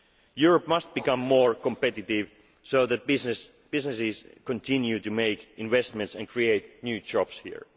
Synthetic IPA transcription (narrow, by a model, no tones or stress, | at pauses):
juɹɔpmʌst̪̚b̥ɨkʌ̃mːɔɹkɔ̃mpɛt̪ɪtɪv | soʊðæt̚ɪs | b̥ɪznɨsɪzkɔ̃nt̪ʰɪ̃njutɨmeɪkɪ̃nvɛst̪mɛ̃ntsæ̃nkʰɹieɪt̪njʉːd͡ʒɑpshḭɹ